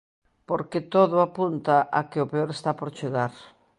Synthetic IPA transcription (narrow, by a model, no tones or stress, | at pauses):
poɾket̪oðʊapunt̪aʔakeʊpeoɾest̪apoɾt͡ʃeɣaɾ